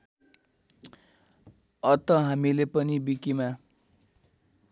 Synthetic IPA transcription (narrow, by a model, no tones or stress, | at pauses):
ʌt̪ʌɦamilepʌnibikima